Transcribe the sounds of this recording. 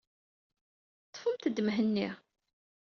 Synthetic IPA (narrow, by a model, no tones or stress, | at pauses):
t̪ˤːfəmt̪əd̪ːəmɦənːiʁ